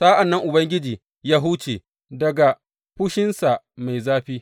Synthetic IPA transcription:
saː˦ʔa˨nːɐ˦ŋʔʊ˨bɐ˦ŋɡʲɪ˦d͡ʒiː˨ | jaː˦ɦʊ˦t͡ʃeː˨ | dɐ˨ɡa˨ | ɸʊ˦ʃɪ˦nsa˨ | ma˨jzaː˦ɸiː˦

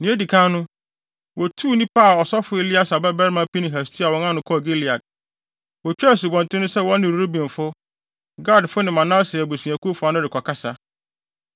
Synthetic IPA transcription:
nɪ̃˨˦e˦di˨kʰã˦nʊ̃˦ | wɔ˨tʰu˦nĩ˦pa˦˨ɔ˨sɔ˦fʊ˦e˦˨li˦a˦sa˨bɛ˦bɛ˦ɾmã˦pi˦nɪ̃˨ɦæ˨stʰi˦a˨wɔ̃˦ŋã˦nʊ̃˨kʰɔ˦˨ɡe˦li˨a˨d̚ | wɔ˨t͡ɕᶣɛ˦˨s̬u˨bɔ̃˨ntʰɪ̃˦nʊ̃˦sɛ˦wɔ̃˦nːɪ̃˨ɾɾo˦bĩ˨nfʊ˦ | ɡa˦˨dfʊ˦nɪ̃˨mã˨nã˦sɪ˨æ˨bo˨si˨æ̃˨ku˦fʊ˦a˨˦nʊ̃˦ɾɪ˨kʰɔ˨kʰa˦sa˨

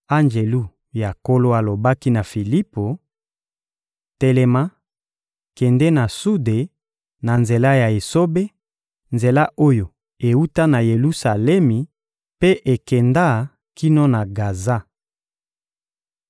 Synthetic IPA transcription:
a˦nd͡ʒe˨lu˦˨ | ja˨ko˦lo˦a˨lo˨ba˦ki˦na˨fi˨li˦po˨ | te˨lɛ˨ma˦ | kɛ˨ndɛ˦na˨su˦de˨ | na˨nze˨la˦ja˨e˨so˦be˦ | nze˨la˦ʔo˦jo˨ | e˨u˦ta˦na˨je˨lu˦sa˨lɛ˦mi˨ | pe˦ʔe˨kɛ˨nda˦ | ki˦no˦na˨ɡa˨za˦

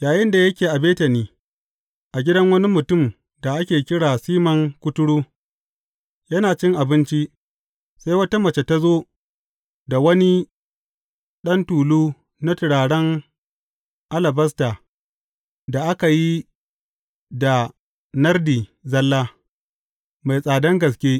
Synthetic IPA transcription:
jaː˨jɪ˦nda˨jɐ˦kʲeː˨ʔa˨beː˦tɐ˨niː˦ | ʔa˨ɡʲɪ˦dɐ˦ŋwɐ˦ni˦mʊ˨tʊ˦˨m | da˨ʔa˦kʲeː˨kʲɪ˦ɽaː˨siː˦mɐ˨ŋkʷʊ˦tʊ˦ɽuː˦ | jɐ˦naː˨t͡ʃɪ˦ŋʔa˨bɪ˦nt͡ʃi˦ʔ | sa˦jwɐ˦ta˦mɐ˨t͡ʃe˨ta˦zoː˦ | da˨wɐ˦ni˦ | ɗɐ˦ntuː˨luː˦ | na˦tɪ˨ɽaː˨ɽɐ˦ŋ | ʔa˦lɐ˨bɐ˦s̬taː˨ | da˨ʔa˦ka˨ji˦ | da˨ | nɐ˦rdiː˨zɐ˦lːaː˦ | ma˨jsʼaː˨dɐ˦ŋɡɐ˨s̬kʲeː˦

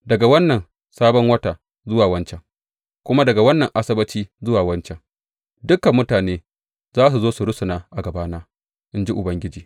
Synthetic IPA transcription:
dɐ˨ɡa˨wɐ˦nːɐ˨n | saː˦bɔ˦ŋwɐ˦taː˨ | zʊ˦waː˨wɐ˦nt͡ʃɛ˨ŋ | kʷʊ˦ma˦dɐ˨ɡa˨wɐ˦nːɐ˨ŋʔa˦sɐ˦bɐ˦t͡ʃiː˦zʊ˦waː˨wɐ˦nt͡ʃɛ˨ŋ | dʊ˦kːɐ˨mːʊ˦taː˨neː˦ | zaː˦s̬u˨zoː˦su˨ɾʊ˦sʊ˨naː˦ʔa˨ɡɐ˨baː˦naː˦ | ʔɪ˦nd͡ʒi˦ʔʊ˨bɐ˦ŋɡʲɪ˦d͡ʒiː˨

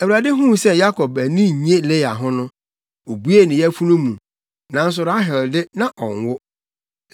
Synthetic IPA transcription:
æ˨wu˨a˨dɪ˦ɦũ˦˨sɛ˦ja˦kʰɔ˨bæ˨nĩ˦˨ɲ˦ẽ˦le˦ja̰˨ɦʊ̃˦nʊ̃˦ | o˨bu˦e˦˨nɪ̃˨jɛ˦fu˦nũ˦mũ˨ | nã˨n̩˦s̬ʊ˨ɾa˦ɦɪ˨ldɪ˦nã˨ʔɔ̃˨n˨wʊ˦

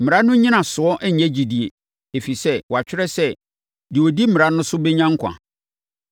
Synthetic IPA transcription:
m̩˨mɪ̃˨ɾa˦nʊ̃˦ɲĩ˦nã˨sʊ˨ɔ˦ʔɛ˦˨ɛ̃˦d͡ʑi˨di˨e˨ | e˨fi˨sɛ˦wɔ˨a˨t͡ɕᶣɪ˦ɾɛ˦sɛ˦ | dɪ˨wo˨di˦m̩˦mɪ̃˨ɾa˦nʊ̃˦sʊ˦bɛ˦ɲã˦ŋ̩˦kʰʷã̰˨

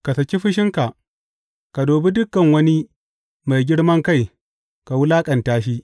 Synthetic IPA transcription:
ka˨sɐ˨kʲi˦ɸɪ˦ʃɪ˦ŋka˨ʔ | ka˨doː˨bi˦dʊ˦kːɐ˨ŋwɐ˦ni˦ | ma˨jɡʲɪ˦ɽmɐ˦ŋka˦˨j | ka˨wʊ˦laː˦kʼɐ˨ntaː˦ʃ̬i˦

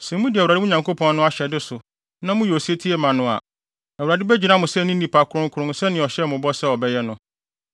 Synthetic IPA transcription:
sɛ̃˨mʊ̃˦di˨ɛ˨wɾa˨dɪ˦ʊ̃˦ɲã˨ŋkʰo˦pʰɔ̃˦nːʊ̃˦a˦ɕɛ˨dɪ˦sʊ˨ | nã˦mʊ̃˦jɔ˨si˦e˦tʰi˦ɛ˦mã˨nʊ̃˦a̰˨ | na˨wu˨ɾa˨dɪ˦bɛ˦d͡ʑi˨nã˦mʊ̃˨sɛ˦˨nĩ˦nĩ˨pʰa˨kʰʊ˨ɾʊ̃˦ŋ̩˦kʰʊ˨ɾʊ̃˦nsɛ˦nɪ̃˨ɔ˨ɕɛ˦˨mʊ̃˨bɔ˦sɛ˦ɔ˨bɛ˦jɛ˦nʊ̃˨

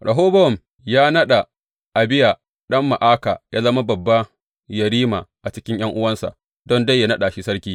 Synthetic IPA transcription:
ɽʔɐ˨ɦoː˦bɐ˦wɔ˨m | jaː˦nɐ˦ɗa˨ | ʔa˨bɪ˦ja˨ | ɗɐ˦mːa˨ʔaː˦ka̰ː˨ja˦lɐ˦ma˦bɐ˨bːa˦ | jɐ˨ɾiː˦ma˨ʔa˨t͡ʃɪ˦kʲɪ˦ɲj̰ɐ˦ŋʔʊ˦wɐ˦nsa̰˨ʔ | dɔ˦nda˦jːa˦nɐ˦ɗa˨ʃi˦sɐ˦ɾkʲiː˦

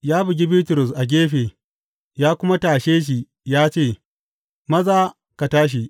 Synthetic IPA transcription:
jaː˦bʊ˨ɡ̬ʲi˦biː˦tʊ˨ɾʊ˨s̬ʔa˨ɡʲeː˦ɸeː˨ | jaː˦kʷʊ˦ma˦taː˨ʃeː˦ʃ̬i˨ | jaː˦t͡ʃeː˦˨ | mɐ˦zaː˦ | ka˨taː˦ʃ̬i˨ʔ

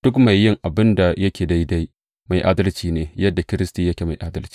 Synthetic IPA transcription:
d̥ʊ˦kma˨jːɪ˦ŋʔa˨bɪ˦nda˨jɐ˦kʲeː˨da˦jda˦j | ma˨jʔaː˦dɐ˦lt͡ʃiː˨neː˨jɐ˦dːa˨kʲɪ˦ɾɪ˦stiː˨jɐ˦kʲeː˨ma˨jʔaː˦dɐ˦lt͡ʃi̥˦

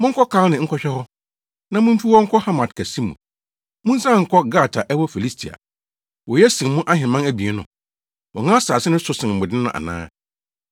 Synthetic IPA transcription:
mʊ̃˦ŋ̩˦kʰɔ˦kʰa˦nɪ̃˨ŋ̩˦kʰɔ˦ɕᶣɛ˦hɔ˦ | nã˨mʊ̃˦m̩˦fi˦wɔ˦ŋ̩˦kʰɔ˦ha˦mã˨tkʰæ˨sĩ˦mṵ̃˨ | mʊ̃˦n̩˦sã˦˨ŋ̩˨kʰɔ˦ɡa˦˨tʰa˨ʔɛ˦wɔ˦fi˨li˦stʰi˨a̰˨ | wɔ˨jɛ˦sĩ˨mmʊ̃˦ʔa˦hɪ̃˨mã˦næ˦bi˨e˦nʊ̰̃˨ | wɔ˨ŋã˦saː˨sɪ˦nɪ̃˦sʊ˦sɪ̃˨n˨mʊ˨dɪ˦nʊ̰̃˦˨ʔa̰˨nã̰ː˦

